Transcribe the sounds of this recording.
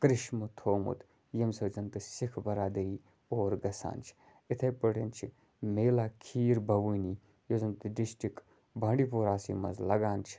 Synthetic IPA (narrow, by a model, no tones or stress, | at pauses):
kɾɪʃmɨt̪ʰoːmṵt̪ | jɐmsɐwd͡ʒɐnt̪ɨsikʰbɐɾaːd̪ɐɾiː | oːɾɡɐsa̰ːnt͡ʃʰi̥ | it̪ʰɐjpəɽent͡ʃʰi | meːlaːkʰiːɾbʱɐʋuni | joːzɐnt̪ɨɖisʈɾik | bʱɐːɳɖipoːɾaːsḭːmɐ̰zlɐɡaːnt͡ʃʰi̥